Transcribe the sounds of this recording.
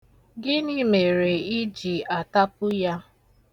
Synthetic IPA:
ɡɪ˦niː˦me˨ɾe˨i˦d͡ʒi˨a˨ta˦pʊ˦ja˦

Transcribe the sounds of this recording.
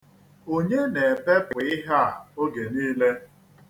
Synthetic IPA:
o˦ɲe˦ne˨pe˦pʊ˨ɪ˦ɦa˦a˨o˦ɡe˨niː˦le˦

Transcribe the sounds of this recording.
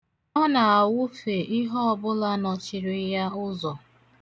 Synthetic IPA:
ɔ˦na˨a˨wʊ˦fe˨ʔɪ˦ɦɔ˦ɔ˨bʊ˦la˦nɔ˨t͡ʃɪ˨ɾɪ˦ja˦ʊ˦zɔ˨

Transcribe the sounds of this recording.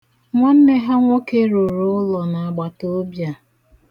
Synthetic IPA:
ŋʷɔ˦n̩˦ne˦ɦa˦ŋʷo˦ke˦ɾu˨ɾʊ˦ʊ˦lɔ˨na˨a˨ɡ͡ba˨to˦bja˨

